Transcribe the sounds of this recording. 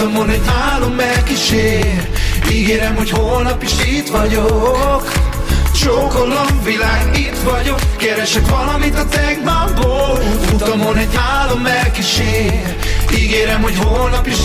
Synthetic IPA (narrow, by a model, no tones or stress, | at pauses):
t̪ɒmonɛɟnaːlo̞mːɛlkiʃeːriɡeːɾɛmho̞cholnɒpiʃit̪ʋɒɟokʃokolːɒŋʋilaːɡit̪ʋɒɟo̞kːɛɾɛʃɛkʋɒlɒmit̪ɒt̪ɛɡmaːboːlut̪ɒmonɛɟnaːlo̞mːɛlkiʃeːr | iɡeːɾɛmho̞chonɒpiʃ